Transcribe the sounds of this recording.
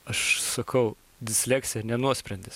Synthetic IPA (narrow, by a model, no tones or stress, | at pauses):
ɐʃsɐkʰɐʊ | d̪ʲɪsʲlʲæːkt͡s̪ʲɪjɛnʲɛnuɔsʲpʲɾʲɛnʲd̪ʲɪs